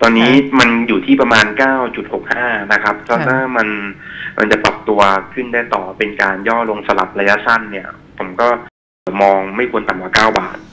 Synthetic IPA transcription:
t̪ɔː˧nːiː˦˥ma˧njuː˨˩t̪ʰiː˥˩pɾa˧maː˧nkaː˥˩wt͡ɕu˨˩t̪̚ho˨˩k̚haː˥˩na˦˥kʰɾa˦˥p̚kʰɛ˦˥t̪ʰaː˥˩ma˧nmʔa̰˧nt͡ɕa˨˩pɾa˨˩p̚t̪u˧ɐkʰɯ˥˩ndaː˥˩jt̪ɔː˨˩pe˧nkaː˧njɔː˥˩lo˧ŋsa˧la˨˩p̚ɾa˧ja˦˥ʔsa˥˩nːi˥˩ɐpʰo˩˦mkɔː˥˩ | mɔː˧ŋma˥˩jkʰu˧ənt̪a˨˩mkwaː˨˩kaː˥˩wba̰ː˨˩t̪̚

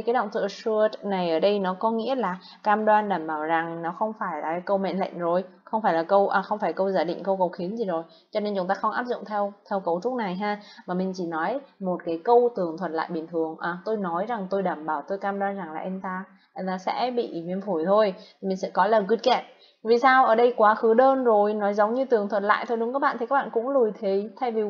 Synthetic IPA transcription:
kaː˨˦jɗə̰˧˨ŋ͡mt̪ʰɨ̰˧˨əsɨ˧əna˨˩jʔəː˧˩ɗə˧jnɔ˨˦kɔ˨˦ŋḭ˧˥əlaː˨˩ | kaː˧mɗwaː˧nɗaː˧˩mɓaː˧˩wza˨˩ŋnɔ˨˦xə˧wŋ͡mfaː˧˩jlaː˨˩˦kə˧wmɛ̰˧˨nlə̰˧˨ŋ̟zo˨˩jxə˧wŋ͡mfaː˧˩jlaː˨˩kə˧wʔaː˨˩xə˧wŋ͡mfaː˧˩jkə˧wzaː˧˩jɗḭ̈˧˨ŋ̟kə˧wkə˨˩wxi˨˦ənzi˨˩zo˨˩j | t͡ɕɔ˧ne˧nt͡ɕʊ˨˦ŋ͡mt̪aː˧xə˧wŋ͡mʔaː˦˥p̚zʊ̰˧˨ŋ͡mt̪ʰɛ˧wt̪ʰɛ˧wkə˨˧˩wt͡ɕʊ˦˥t̚na˨˩jɦaː˧maː˨˩mï˨˩ŋ̟t͡ɕi˧˩nɔ˨˦jmo˨˩t̚kaː˨˦jkə˧wt̪ɨ˨˩əŋt̪ʰwə˨˩t̚la̰ː˧˨jɓï˨˩nt̪ʰɨ˨˩əŋʔaː˨˩t̪o˧jnɔ˨˦jza˨˩ŋt̪o˧jɗaː˧˩mɓaː˧˩wt̪o˧jkaː˧mɗwaː˧nza˨˩ŋlaː˨˩ʔɛ˧mt̪aː˧˩ | laː˨˩sɛ̰˧˥ɓḭ˧˨vi˧ənfu˧˩jt̪ʰo˧jt̪ʰi˨˩mi˨˩sɛ̰˧˥kɔ˨˦ləː˨˩mki˧˦˥t̚kɛ˧˩p̚ | vi˨˩saː˧wʔəː˧˩ɗə˧jkwaː˨˦xɨ˨˦ɗəː˧nzo˨˩jnɔ˨˦jzə˨˦wŋ͡mɲɨ˧t̪ɨ˨˩əŋt̪ʰwə˨˩t̚la̰ː˧˨jt̪ʰo˧jɗʊ˨˦ŋkaː˦˥k̚ɓ̰ːt̪i˨kaː˦˥ɓa̰ː˧˨kʊ̰˧˥ŋ͡mlu˨˩əjt̪ʰi˨˩˦t̪ʰa˧jvi˨˩

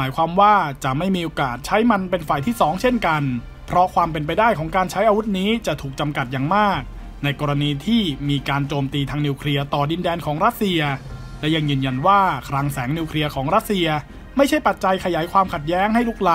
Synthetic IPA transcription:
maː˩˦jkʰwaː˧mwaː˥˩t͡ɕa˨˩ʔma˥˩jmiː˧ʔoː˧kaː˨˩t̪̚t͡ɕʰa˦˥jma˧npe˧nfaː˨˧˩jt̪ʰiː˥˩sɔː˩˦ŋt͡ɕʰe˥˩nka˧n | pʰɾɔ˦˥kʰwaː˧mpe˧np̬a˧jdaː˥˩jkʰɔː˩˦ŋkaː˧nt͡ɕʰa˦˥jʔaː˧wu˦˥t̪̚niː˦˥t͡ɕa˨˩t̪ʰuː˨˩k̚t͡ɕa˧mka˨˩t̪̚jaː˨˩ŋmaː˥˩k̚ | na˧jkɔː˧ɾa˧niː˧t̪ʰiː˥˩miː˧kaː˧nt͡ɕoː˧mt̪iː˧t̪ʰaː˧ŋniː˧wkʰɾi˧ɐt̪ɔː˨˩di˧ndɛː˧nkʰɔː˩˦ŋɾa˦˥t̪̚si˧ɐ | lɛ˦˥ja˧ŋjɯː˧nja˧nwaː˥˩kʰɾaː˧ŋsɛː˩˦ŋniː˧wkʰli˧ɐkʰɔː˩˦ŋɾa˦˥t̪̚si˧ɐ | ma˥˩jt͡ɕʰa˥˩jpa˨˩t̪̚t͡ɕa˧jkʰa˧jaː˩˦jkʰwaː˧mkʰa˨˩t̪̚jɛː˦˥ŋɦa˥˩jlu˥˩k̚la˦˥

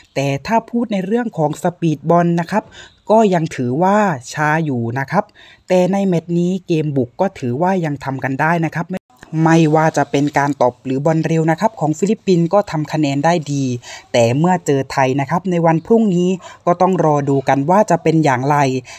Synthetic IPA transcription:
t̪ɛː˨˩t̪ʰaː˥˩pʰuː˥˩t̪̚na˧jɾɯ˥˩əŋkʰɔː˩˦ŋsa˧piː˨˩t̪̚bɔ˧nːa˦˥kʰa˦˥p̚kɔː˥˩ja˧ŋt̪ʰɯː˩˦waː˥˩t͡ɕʰaː˦˥juː˨˩na˦˥kʰa˦˥p̚ | t̪ɛː˨˩na˧jmɛ˨˩t̪̚niː˦˥keː˧mbu˨˩kːɔː˥˩t̪ʰɯː˩˦waː˥˩ja˧ŋt̪ʰa˧mka˧ndaː˥˩jna˦˥kʰa˦˥p̚ | ma˥˩jwaː˧˩t͡ɕa˨˩pe˧nkaː˧nt̪ɔ˨˩p̚ɾɯː˩˦bɔ˧nɾe˧wna˦˥kʰa˦˥p̚kʰɔː˩˦ŋfi˧˩li˦˥pːi˧nkɔː˥˩t̪ʰa˧mkʰa˧nɛː˧ndaː˥˩jdiː˧t̪ɛː˨˩mɯ˥˩ɐt͡ɕɤː˧t̪ʰa˧jna˦˥kʰa˦˥p̚na˧jwa˧npʰɾu˥˩ŋniː˦˥kɔː˥˩t̪ɔ˥˩ŋɾɔː˧duː˧ka˧nwaː˥˩t͡ɕa˨˩pe˧njaː˨˩ŋɾa˧j

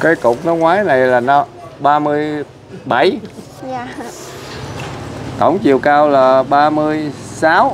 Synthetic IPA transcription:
kaː˨˦jkʊ˨˩k͡p̚nɔ˨˦ŋwaː˨˦jna˨˩jlaː˨˩nɔ˧˦ɓaː˧mɨ˧əj | ɓa˧˩j | t̪ə̰˧˩wŋ͡mt͡ɕi˨˩əwkaː˧wlaː˨˩ɓaː˧mɨ˧əjsaː˨˦˥w

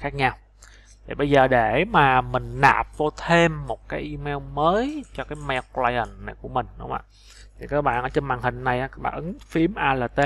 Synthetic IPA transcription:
xaː˦˥k̚ɲa˧w | t̪ʰi˨˩ɓə˧jzəː˨˩ɗe˧˩maː˨˩mï˨˩ŋ̟ɗa̰ː˨˩p̚vo˧t̪ʰe˧mːo˨˩t̚kaː˨˦jʔi˧mɛ˧wməː˨˦jt͡ɕɔ˧kaː˨˦jmɛ˧wklaː˧jə˨˩nna˨˩jku˧˩əmï˨˩ŋ̟ɗʊ̰˨˦ŋ͡mʔa̰ː˧˨ | t̪ʰi˨˩kaː˦˥k̚ɓa̰ː˧˨nʔəː˧˩˦t͡ɕe˧nmaː˨˩nhï˨˩ŋ̟na˨˩jʔaː˨˦˥ɓa̰ː˧˨˩ʔɨ˨˦ŋfi˨˧˦əmʔaː˧laː˨˩t̪e˧

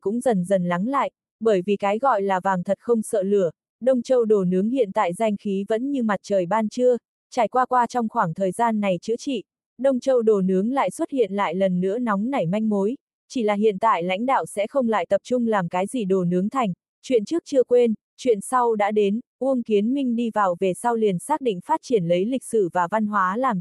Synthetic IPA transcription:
kʊ̰˧˥ŋ͡mzə˨˩nzə˨˩nla˨˦ŋla̰ː˧˨jʔ | ɓəː˧˩jvi˨˩kaː˨˦jɣɔ̰˧˨jlaː˨˩vaː˨˩ŋt̪ʰə˨˩t̚xə˧wŋ͡msə̰ː˧˨lɨ˧˩ə | ɗə˧wŋ͡mt͡ɕə˧wɗo˨˩nɨ˨˦əŋhḭ˧˨ənt̪a̰ː˧˨jza˧jŋ̟xi˨˦və̰˧˥nɲɨ˧ma˨˩t̚t͡ɕəː˨˩jɓaː˧nt͡ɕɨ˧ə | t͡ɕaː˧˩jkwaː˧kwaː˧t͡ɕɔ˧wŋ͡mxwaː˧˩ŋt̪ʰəː˨˩jzaː˧nːa˨˩jt͡ɕɨ̰˧˥ət͡ɕḭ˧˨ | ɗə˧wŋ͡mt͡ɕə˧wɗo˨˩nɨ˨˦əŋla̰ː˧˨jswə˦˥t̚hḭ˧˨ənla̰ː˧˨jlə˨˩nːɨ̰˧˥ənɔ˨˦wŋ͡mna˨˧˩jma˧jŋ̟mo˨˦j | t͡ɕi˧˩laː˨˩hḭ˧˨ənt̪a̰ː˧˨jla̰˧˥jŋ̟ɗa̰ː˧˨wsɛ̰˧˥xə˧wŋ͡mla̰ː˧˨jt̪ə˨˩p̚t͡ɕʊ˧ŋ͡mlaː˨˩mkaː˨˦jzi˧˩ɗo˨˩nɨ˨˦əŋt̪ʰa˨˩jŋ̟ | t͡ɕwḭ˧˨ənt͡ɕɨ˦˥ək̚t͡ɕɨ˧əkwe˧n | t͡ɕwḭ˧˨ənsa˧wɗa̰ː˧˥ɗe˨˦nʔu˧əŋki˨˦ənmï˧ŋ̟ɗi˧vaː˨˩wve˨˩sa˧wli˨˩ənsaː˦˥k̚ɗḭ˧˨ŋ̟faː˦˥t̚t͡ɕi˧˩ənlə˨˦jli˨˩k̟̚sɨ̰˧˩vaː˨˩va˧nɦwaː˨˦laː˨˩m

